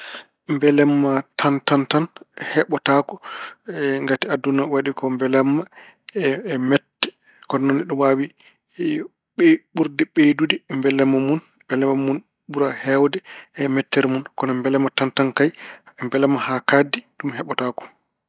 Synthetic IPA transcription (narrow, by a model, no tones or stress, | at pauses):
mbɛlɛmːatʰantantanhɛɓɔtakɔɛŋɡatiadunawaɗikɔmbɛlɛmːa | ɛmɛtːɛ̥ | kɔnnɔniɗɔwawi | ɓɛɓuɾdɛɓedudimbɛlɛmːamun | bɛlɛmamun | ɓuɾahɛwdɛɛmɛtːɛɾmunkɔnɔmbɛlɛmːatantankajmbɛlɛmːahakadiɗumhɛɓɔtakɔ̥